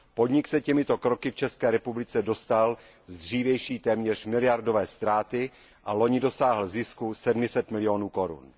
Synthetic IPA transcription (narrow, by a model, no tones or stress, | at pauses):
po̞dɲɪksɛcɛmɪt̪o̞kɾokɪft͡ʃɛskɛːɾɛpublɪt͡sɛdo̞st̪al | zd̪r̝iːvjɛjʃiːt̪ɛːmɲɛr̝̥mɪlɪjaɾdovɛːst̪ɾaːt̪ɪ | ʔalo̞ɲɪdo̞saːɦl̩zɪskusɛdmɪsɛt̪mɪlɪjo̞nuːko̞ɾṵn